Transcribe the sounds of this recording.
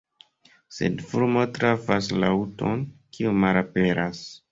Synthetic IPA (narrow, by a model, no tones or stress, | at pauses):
se̞̰dfuɾmotɾafasla̰uto̞nkiumalape̞ɾas